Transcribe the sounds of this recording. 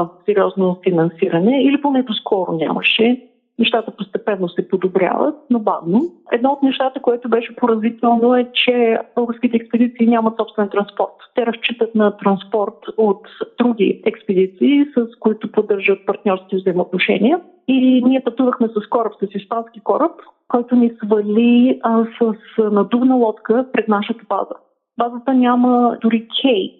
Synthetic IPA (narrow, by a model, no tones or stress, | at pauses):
sɛɾiɔznofinɐnsiɾɐnɛiliponɛt̪ʊskʰɔɾʊ̰nʲa̰mɐ̰ʃɛ | nɛʃt̪at̪əpost̪ɛpɛnːosɛpod̪obɾʲja̰və̰t̪̚noba̰vnoɛ̰d̪nɔot̪̚nɛʃt̪at̪əkoɛt̪ʊbɛʃɛpoɾɐzvit̪ɛlˠnoɛt͡ʃɛb̥ɤlˠɡəɾsk̟ʲit̪ɛːkspɛd̪it̪siːnʲamɐt̪sɔpst̪vɛnt̪ɾɐnspɔɾt̪ːɛɾɐst͡ʃit̪ət̪nɐt̪ɾɐnspɔɾt̪ot̪d̪ɾuɡʲḭɛkspɛd̪it̪siːsəskoit̪ʊpod̪ːɤɾʒət̪̚pɐɾt̪nʲɔɾskʲivzəimot̪noʃɛ̰nʲiɛ | iniɛt̪ɐt̪uvəxmɛsɐskɔɾəpsɐsispanskikɔɾəp | kɔjt̪ʊnisvɐlʲisəsnɐd̪ubnəlˠɔt̪kəpɾɛd̪naʃət̪əba̰zə | bazət̪ənʲaməd̪ʊɾikʲʰɛj